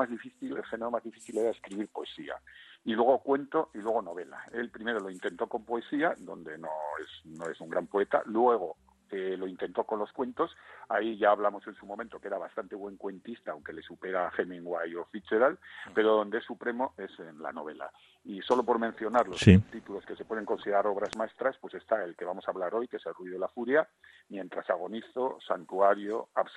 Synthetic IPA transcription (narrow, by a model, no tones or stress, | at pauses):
mazðifiθilelxe̞neɾo̞mazðifiθile̞ɾae̞skɾiβ̞iɾpo̞e̞sia̰ilwe̞ɣ̞o̞kwe̞nt̪o̞ʔilwe̞ɣ̞o̞no̞β̞e̞la̰e̞lpɾime̞ɾo̞lo̞int̪e̞nt̪o̞ko̞mpoe̞siaðo̞nd̪e̞no̞esno̞e̞suŋɡɾampo̞e̞t̪a̰lwe̞ɣ̞o̞ | elo̞int̪e̞nt̪o̞ko̞nlo̞skwe̞nt̪o̞saiʝaːβlamo̞se̞nsumõment̪o̞ke̞ɾaβast̪ant̪e̞βwe̞ŋkwe̞nt̪ist̪aawŋke̞le̞supeɾaxemĩŋɡwajo̞fit͡ʃeɾalpe̞ɾoðo̞nd̪eesupɾe̞mo̞e̞senla̰no̞β̞e̞la̰ | iso̞lo̞po̞ɾmẽn̟θjo̞naɾlo̞st̪it̪ulo̞ske̞se̞pwe̞ð̞e̞ŋko̞nsiðeɾaɾo̞βɾazmae̞st̪ɾaspwe̞se̞st̪ae̞lke̞βamo̞saːβlaɾo̞jkeselruiðolafuɾja | mjẽ̞nt̪ɾasaɣ̞o̞niθo̞sant̪uaɾjo̞as